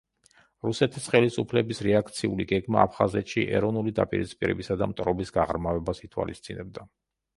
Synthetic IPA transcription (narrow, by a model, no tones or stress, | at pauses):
ɾusɛt̪ʰisχɛlisupʰlɛbisɾɛak̚ʰt̪sʰiuliɡɛɡmaːpʰχazɛt̪ʃiʔɛ̰ɾɔvnulid̪a̰pʼiɾitspʼiɾɛ̰bisad̪amt̪ʼɾɔbisɡaʁɾmavɛbasit̪ʰwa̰list̪sʼinɛb̚d̪a